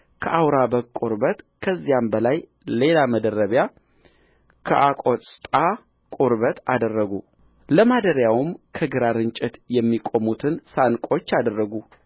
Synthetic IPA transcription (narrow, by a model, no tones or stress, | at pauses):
kʰəʔawɾabəkʼuɾbət̪ | kʰəzːijambəlaj | le̞laməd̪ərəβja | kʰə̰ʔakʼot͡sʼt̪ʼa | kʼuɾβət̪ʰa̰d̪ərːəɡu | ləmad̪əɾjawmkʰəɡɨɾaɾɨnt͡ʃʼɪt̪jɛmːikʼo̞mut̪ʰɨnsankʼo̞t͡ʃːad̪ərːəɡu